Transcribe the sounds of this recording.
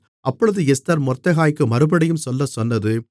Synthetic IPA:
ʔɐpːɔɻɯðɯɛst̪ɐɾmɔrt̪ːɐɣaːjkːɯmɐɾɯbɐɽɐjɯmsɔlːɐsɔnːɐðɯ

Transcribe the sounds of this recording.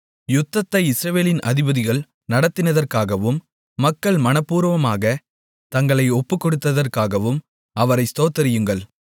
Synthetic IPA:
jʊt̪ːɐt̪ːɐɪɪsɾɐʋeːlɪnɐðɪbɐðɪɣɐɭ | nɐɽɐt̪ːɪnɐðɐrkaːɣɐʋɯmː | ɐkːɐɭmɐnɐpːuːɾʋɐmaːɣɐ | t̪ɐŋɡɐɭɐɪɔpːɯkːɔɽɯt̪ːɐðɐrkaːɣɐʋɯm | ɐʋɐɾɐɪst̪oːt̪ːɐɾɪjɯŋɡɐɭ

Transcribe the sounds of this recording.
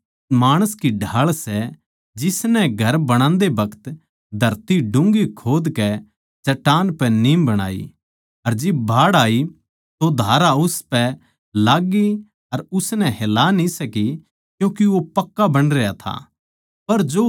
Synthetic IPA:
maːɽ̃əskiɖʱaːɭsɛ | d͡ʒɪsnɛ̃ɡʱɐɾbɐɽ̃ãːnd̪ebɐkʰə̥t̪ | d̪ʱɐɾt̪iɖʊ̃ŋɡikʰoːd̪kɛ | t͡ʃɐʈaːnpɛniːmbɐɽ̃a̰ːḭ | ɐɾd͡ʒɪb̚bʱaːɽaːi | t̪od̪ʱaːɾaʊspɛ | laːɡi | ɐɾʊsnɛɦeːlanĩsɐki | kjũːkiʋopɐkːabɐɽ̃ɾejat̪ʰa̰ː | pɐɾd͡ʒoː

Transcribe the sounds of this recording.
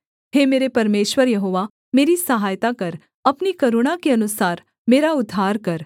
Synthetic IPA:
ɦheːmeːɾepɐɾmeːʃwəɾjɐɦoːʋa | meːɾisɐɦaːjt̪akɐɾ | ɐpnikɐɾuɽ̃akeɐnʊsaːɾ | meːɾaʊd̪ʱːaːɾkɐɾ

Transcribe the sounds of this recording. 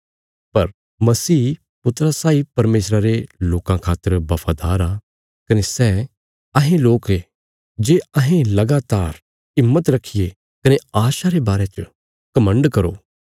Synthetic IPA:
pɐɾ | mɐsiː | pʊt̪ɾasaːipɐɾmeːsɾaɾeloːkãkʰaːt̪ːəɾbɐpʰaːd̪aːɾa | kɐnesɛː | ɐɦẽloːke | d͡ʒeːɐɦẽlɐɡaːt̪aːɾ | ɪmːət̪ɾɐkʰije | kɐneaːʃaɾebaːɾet͡ʃə | kɐmə̃ɳɖkɐɾo̰ː

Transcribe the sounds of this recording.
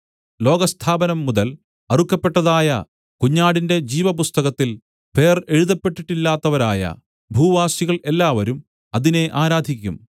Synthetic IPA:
lo̞ːɡɐst̪ʰaːbɐnɐmːuðɐl | ɐrukːɐpːe̞ʈːɐðaːjɐ | kuɲːaːɽinde̞d͡ʑiːʋɐpust̪ɐɣɐt̪ːil | pʰe̞ːre̞ɻuðɐpːe̞ʈːiʈːilːaːt̪ːɐʋɐɾa̰ːjɐ̰ | bʱuːʋaːsiɣɐɭe̞lːaːʋɐɾum | ɐðine̞ʔaːɾaːd̪ʱikʲːum

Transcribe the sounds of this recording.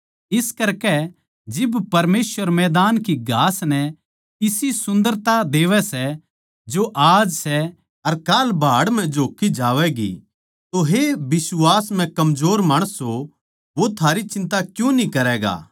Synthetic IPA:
ɪskɐɾkɛ | d͡ʒɪbpɐɾmeːsʋəɾmɛːd̪aːnkiɡʱaːsnɛ | ɪsisʊ̃nd̪əɾt̪ad̪eːʋɛsɛ | d͡ʒoʔaːd͡ʒsɛ | ɐɾkaːlbʱaːɽm̤ɛ̃d͡ʒoːkːid͡ʒaːʋɛɡḭ | t̪oɦebɪswaːsm̤ɛ̃kɐmzoːɾmaːɽ̃əsɦo | ʋot̪ʰaːɾit͡ʃɪ̃nt̪akjũnĩkɐɾɛːɡa̰ː

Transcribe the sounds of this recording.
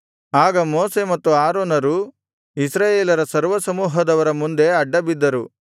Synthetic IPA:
aːɡɐmoːse̞mɐt̪ːuaːɾoːnɐɾu | isɾaːjeːlɐɾɐsɐɾʋɐsɐmuːɦɐd̪ɐʋɐɾɐmund̪e̞ɐɖːɐbid̪ːɐɾu

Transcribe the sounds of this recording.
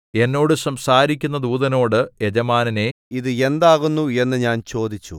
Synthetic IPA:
e̞nːo̞ːɽɨsɐmsaːɾikʲːunːɐd̪uːðɐno̞ːɽɨed͡ʑɐmaːnɐne̞iðɨe̞nd̪aːɣunːue̞nːɨɲaːnt͡ɕo̞ːd̪ʱit͡ɕːṵ

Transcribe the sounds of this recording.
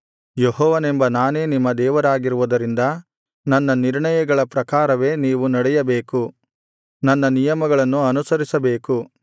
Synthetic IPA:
jeɦɔːʋɐnembɐnaːne̞ːnimːɐd̪ɛːʋɐɾaːɡiɾuʋud̪ɐɾind̪ɐ | nɐnːɐniɾɳɐjɐɡɐɭɐpɾɐkaːɾɐʋe̞ːniːʋunɐɽɛjɐbe̞ːku | nɐnːɐnijɐmɐɡɐɭɐnːuɐnusɐɾisɐbe̞ːku

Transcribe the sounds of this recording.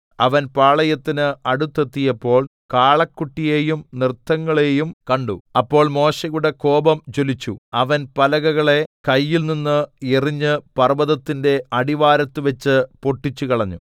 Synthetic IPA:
ɐʋɐnpaːɭɐjɐt̪ːinɨɐɽut̪ːe̞t̪ːijɐpːo̞ːɭ | kaːɭɐkːuʈːije̞ːjumnrt̪ːɐŋːɐɭeːjumkɐɳɖṵɐpːo̞ːɭmo̞ːɕɐɣuɽeko̞ːbɐmt͡ɕo̞lit͡ɕːṵɐʋɐnpɐlɐɣɐɣɐɭe̞kɐjːilninːɨiriɲːɨpɐrʋɐðɐt̪ːinde̞ɐɽiʋaːɾɐt̪ːɨʋɐt͡ɕːɨpo̞ʈːit͡ɕːukɐɭɐɲːu

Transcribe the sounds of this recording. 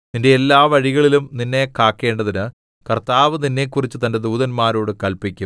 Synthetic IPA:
nindeːlːaːʋɐɻiɣɐɭilumninːe̞kaːkːe̞ːɳɖɐðinɨ | kɐrt̪aːʋɨninːe̞kːurit͡ɕːɨt̪ɐnde̞d̪uːðɐnmaːɾoːɽɨkɐɭpikʲːum

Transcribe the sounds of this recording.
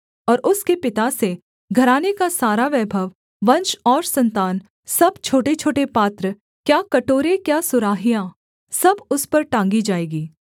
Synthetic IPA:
ɔːɾʔʊskepɪt̪ase | ɡʱɐɾaːnekasaːɾaʋɛːbʱəʋ | ʋɐ̃nt͡ʃɔːɾsɐ̃nt̪aːn | sɐbt͡ʃʰoːʈet͡ʃʰoːʈepaːt̪ɾə | kjaːkɐʈoːɾekjaːsʊɾaːɦijã | sɐbʊspɐɾʈãːŋɡid͡ʒaːeːɡiː

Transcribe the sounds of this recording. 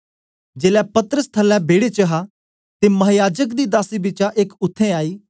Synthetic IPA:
d͡ʒeːlɛpɐt̪əɾəst̪ʰəlɛ̃bʱeːɽet͡ʃɐɦaː | t̪emɐɦjaːd͡ʒəkd̪iːd̪aːsibɪt͡ʃaʔekʊt̪ʰːẽaːiː

